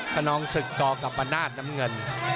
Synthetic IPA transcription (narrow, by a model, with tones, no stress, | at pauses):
pʰaː˥˩nɔː˦˥ŋsɯ˨˩k̚t̪ɔː˧˩ka˨˩p̚ʔaː˧nːaː˥˩t̪̚na˦˥mŋɤ˧n